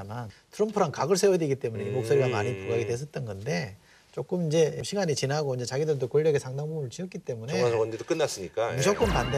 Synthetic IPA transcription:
mantʰɯɾʌmpʰɯɾankaɡɯɭs̬ʰewʌdiɡit͈e̞muneimok̚s͈oɾiwama̰ɲipuɡaɡidwe̞s̬ʰʌt̚t͈ʌnɡʌnde̞ | t͡ɕ͈ok͈ɯmind͡ʑe̞mɕʰiɡaɲit͡ɕinaɡoind͡ʑe̞t͡ɕaɡidɯɭdokoɭːʌɡesʰaŋdaŋbumɯɭt͡ɕiʌk͈it͈e̞mune̞asʌndedok͈ɯnːas͈ɯɲik͈aok͈ɯmpande

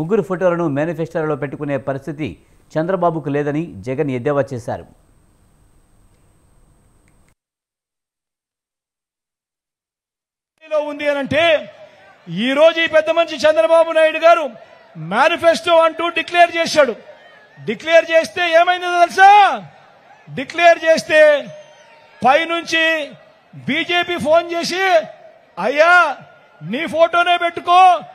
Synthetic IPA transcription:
muɡuɾupʰoʈoːlɐnumjaːnipʰesʈɐɾlo̞ːp̬eʈːukune̞ːpɐɾist̪ʰit̪ḭ | t͡ʃɛnd̪ɾɐbaːbuk̬ulɛːd̪ɐnid͡ʒɛɡɐned̪jaːʋaːt͡ʃɛːsa̰ːɾṵ | ilo̞ːund̪iɐnɐɳʈe̞ː | iːɾo̞ːd͡ʒuiːpɛd̪ːɐmɐnt͡ʃit͡ʃɛnd̪ɾɐbaːbunaːjiɽuɡaːɾu | maːnipʰesʈoːɐɳʈuːɖikleːɾt͡ʃeːsaːɽu | ɖikleːɾt͡ʃe̞ːst̪e̞ːeːmɐjind̪iɐlsaː | ɖikleːɾt͡ʃe̞ːst̪e̞ː | pɐjnuɲt͡ʃi | biːd͡ʒe̞ːpiːpʰo̞ːnt͡ʃe̞ːs̬i | ɐjːa | niːpʰo̞ːʈo̞ːne̞ːpe̞ʈːukoː

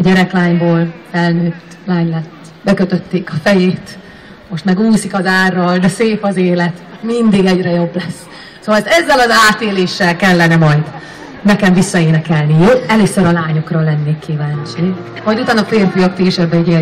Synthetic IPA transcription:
ɒɟɛɾɛklaːɲboːlfɛlnøːt̪ | laːɲlɛt̪ | bɛkøt̪ø̞t̪ːeːkɒfɛjeːt̪ | moʃt̪mɛɡuːsikɒzaːrːɒld̪ɛseːpɒzeːlɛt̪mind̪iɡɛɟrɛjo̞blɛs | soːɒlɛzːɛlɒzaːt̪eːleːʃːɛlkɛlːɛnɛmɒjd̪ | nɛkɛɱvisːɒeːnɛkɛlnijoːɛløːsøɾɒlaːɲokrɒlɛnːeːkːivaːɲt͡ʃivɒɟut̪aːnɒfeːrfyjɒkt̪iːʃɛbːɛɟi

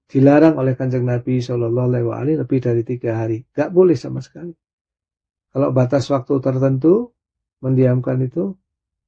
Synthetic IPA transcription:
d̥ilaɾaŋolɛhkaɲd͡ʒəŋnabisɔlɔlːɔɦlawa̰a̰liləpɪhdaɾit̪iɡaɦaɾiŋɡaʔbolɛhsamasə̥kali | kalabat̪aswak̚t̪ut̪ərt̪ənt̪̬u | məndiamkanit̪u

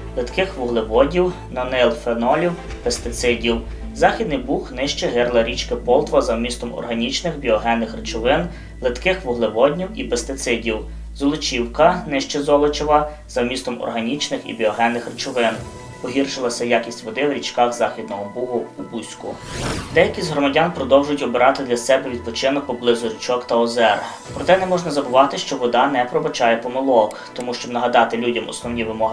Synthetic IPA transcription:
lˠɪt̪kɪxʋʊɦlˠɪʋɔdʲiw | nɔnɪlˠfenɔlʲiw | pest̪ɪt̪sɪdʲiw | zɑxʲid̪nɪjbuxnɪʃt͡ʃɛɦɪrlˠɐɾʲit͡ʃkɪpɔlˠt̪ʋɐzɐwmʲist̪ɔmɔ̰rɦɐnʲit͡ʃnɪxbʲiɔɦɛnːɪxrt͡ʃʊʋɪn | lˠɪt̪kɪxʋʊɦlˠɪʋɔdʲnʲiwipest̪ɪt̪sɪdʲiw | zɔlˠʊt͡ʃiwkɐnɪʃt͡ʃɛzɔlˠɔt͡ʃɔʋɐ | z̥ɐwmʲist̪ɔmɔ̰rɦɐnʲit͡ʃnɪxḭbʲiɔɦɛnːɪxrt͡ʃʊʋɪn | pɔɦʲirʃɪlˠɐsʲɐjakʲisʲtʲʋɔd̪ɪwɾʲit͡ʃkɑxzɑxʲid̪nɔɦɔbuɦʊubusʲkʊ̰d̪ɛjɐkʲizʲɦɾɔmɐdʲanpɾɔd̪ɔwʒʊjtʲɔbeɾɑt̪ɪd̪lʲɐsɛbɛʋʲid̪̚pɔt͡ʃɪnɔk̚pɔblˠɪzʊrʲit͡ʃɔkt̪ɐɔzɛr | pɾɔt̪ɛnɛmɔʒnɐzɐbʊʋɑt̪ɪʃt͡ʃɔʋɔd̪ɑnɛpɾɔbɐt͡ʃɑjɛpɔmɪlˠɔk | t̪ɔmuʃt͡ʃɔbnɐɦɐd̪ɑt̪ɪlʲudʲɐmɔ̰snɔwnʲiʋɪmɔɦɪ

